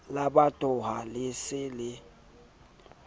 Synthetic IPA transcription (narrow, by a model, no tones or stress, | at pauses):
laɓatʼʊɦalɪsɪlɪ